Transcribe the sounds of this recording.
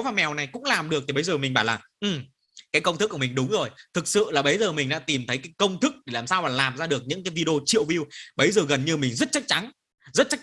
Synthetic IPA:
wvaː˧˩mɛ˨˩wna˨˩jkʊ̰˧˥ŋ͡mlaː˨˩mɗɨ˨˩ək̚t̪i˨˩ə˨˦jzəː˨˩mï˨˩ŋ̟ɓaː˧˩laː˨˩ʔɨ˨˩m | kaː˨˦jkə˧wŋ͡mt̪ɨ˦˥kːmï˨˩ŋ̟ɗʊ˨˦ŋ͡mzo˨˩jt̪ʰɨ˨˩k̚sɨ̰˧˨laː˨˩ɓə˨˦jzəː˨˩mï˨˩ŋ̟ɗa̰ː˧˥t̪i˨˩mt̪ʰə˨˦jkaː˨˦jkə˧wŋ͡mt̪ʰɨ˦˥k̚ɗe˧˩laː˨˩msaː˧wvaː˨˩laː˨˩mzaː˧ɗɨ˨˩ək̚ɲɨ̰˧˥ŋkaː˨˦jvi˧ɗo˧t͡ɕḭ˧˨əwvi˧wɓə˨˦jzəː˨˩ɣə˨˩nɲɨ˧mï˨˩ŋ̟zə˦˥t̚t͡ɕa˦˥k̚t͡ɕa˨˦n | zə˦˥t̚t͡ɕa˦˥

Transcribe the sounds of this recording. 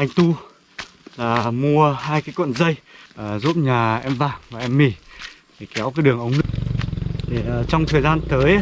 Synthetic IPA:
ʔa˧jŋ̟t̪u˧ | laː˨˩mu˧əhaː˧jkaː˨˦jkwə̰˧˨nzə˧jʔəː˨˩zṵ˦˥p̚ɲaː˨˩ʔɛ˧mvaː˧˩vaː˨˩ʔɛ˧mːi˧˩tʰe˨˩kɛ˨˦wkaː˨˦jɗɨ˨˩əŋʔə˨˦wŋ͡mnɨ˦˥ | t̪ʰe˨˩ə˨˩t͡ɕɔ˧wŋ͡mt̪ʰəː˨˩jzaː˧nt̪əː˨˦j

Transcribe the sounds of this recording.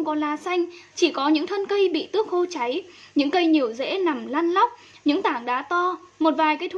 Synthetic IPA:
wŋ͡mkɔ˨˦laː˧˩sa˧jŋ̟t͡ɕi˧˩kɔ˨˦ɲɨ̰˧˥ŋt̪ʰə˧nkə˧jɓḭ˧˨t̪ɨ˦˥ək̚ho˧t͡ɕa˨˦j | ɲɨ̰˧˥ŋkə˧jɲi˨˩əwzḛ˧˥na˨˩mlaː˧nla˦˥wk͡p̚ | ɲɨ̰˧˥ŋt̪aː˧˩ŋɗa̰ː˨˧˥t̪ɔ˧mo˨˩t̚vaː˨˩jkaː˨˦jt̪ʰ

